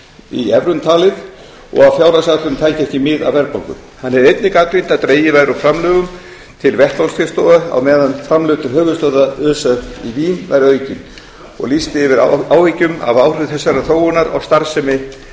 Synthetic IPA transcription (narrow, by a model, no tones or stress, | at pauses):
ḭɛvɾʏnt̪ʰaːlɪð | ɔ̰ɣawfjaːwɾasjawt̪ʏɾʏmt̪ʰaːjcɪɛhcɪmɪða̰vvɛɾpawkʏ̰m | hanːɛɾejt̪nɪkak̪ɾint̪aðt̪ɾeːjɪvajɾɔfɾamlœːɣʏm | t̪ʰɪlvɛht̪lɔnsfʰɛ̥st̪ɔːðaa̰wmɛːðanfɾamlœːʏt̪ʰɪlɦœːɣʏst̪œːðaœːsœiviːnva̰jɾœːɥcɪn | ɔ̰ɣlist̪ɪɛvɪɾa̰aːwhɪcʏma̰vawɾɪθɛsːaɾaθoːwɣʏnaɾa̰wst̪aɾsɛmːɪ